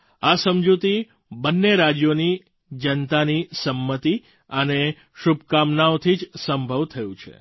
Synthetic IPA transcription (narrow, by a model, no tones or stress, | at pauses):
asəmd͡ʒut̪i | bənːeɾad͡ʒjoni | d͡ʒənt̪anisəmːət̪i | əne | ʃubʱkamnaot̪ʰid͡ʒsəmbʱəʋt̪ʰəjũt͡ʃʰḛ